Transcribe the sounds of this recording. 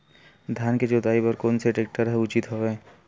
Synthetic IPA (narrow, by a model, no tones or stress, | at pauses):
d̪ʱjaːnked͡ʒoːt̪aːipɐɾkoːnseʈeːk̚ʈəɾɦɛʊt͡ʃɪt̪ɦoʋe